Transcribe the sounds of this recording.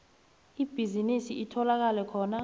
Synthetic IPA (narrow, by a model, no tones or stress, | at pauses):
ib̥ʱizinisiʔitʰɔlak̬alɛkʰɔːna